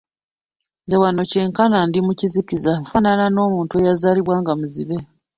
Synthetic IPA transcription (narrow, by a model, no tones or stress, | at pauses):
ɲɟawano̞ce̞ːŋkanandimucizicizafaːnanano̞ːmuːntuejazaːliβwaːŋɡamuzḭβe̞